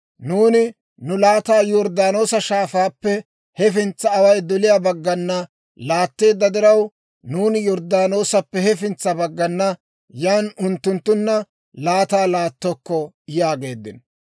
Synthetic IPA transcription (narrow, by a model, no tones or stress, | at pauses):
nuːnɪ | nʊlaːt̪aːjɔɾd̪aːno̞ːsɐʃaːfaːpːɛ | hɛfɪnt͡sːɐːwɐjd̪ɔlɪjaːbɐɡːɐnːɐ | laːt̪ːe̞ːd̪ːɐd̪ɪɾɐw | nuːnɪjɔɾd̪aːno̞ːsɐpːɛhɛfɪnt͡sːɐbɐɡːɐnːɐ | jaːnʊnt̪ːʊnt̪ːʊnːɐ | laːt̪aːlaːt̪ːɔkːɔ | ɪjaːɡe̞ːd̪ːɪn